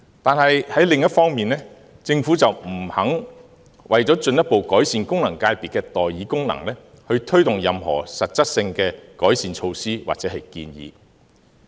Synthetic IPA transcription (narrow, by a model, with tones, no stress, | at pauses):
t̪aː˨nɦɐ˨jhɐ˨˥jlɪ˨ŋjɐ˥t̚fɔː˥ŋmiː˨˩nlɛː˥ | t͡sɪ˧ŋfuː˨˥t͡sɐ˨wm̩˨˩hɐ˨˥ŋ | wʔɐ̰˨˩jt͡sɔː˨˥t͡ʃɵ˧njɐ˥t̚po˨˧wkɔː˨˥jsiː˨nkʊ˥ŋlɐ˨˩ŋkaː˧jpiː˨t̚kːɛː˧t̪ɔː˨jːiː˨˥kʊ˥ŋnɐ̰˨˩ŋlɛː˥ | hɵ˧ɥt̪ʰɵ˥ɥt̪ʊ˨ŋjɐ˨mhɔ̰ː˨˩sɐ˨t̚t͡sɐ˥t̚sɪ˧ŋkɛː˧kɔː˨˥jsiː˨nt͡ʃʰo˧wsiː˥wa̰ː˨t͡sɛː˨˥ɦɐ˨jkḭː˧njḭː˨˧